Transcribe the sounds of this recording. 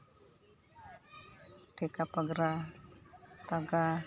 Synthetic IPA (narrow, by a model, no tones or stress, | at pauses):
ɖ̥ekapaɡɾa | t̪aɡa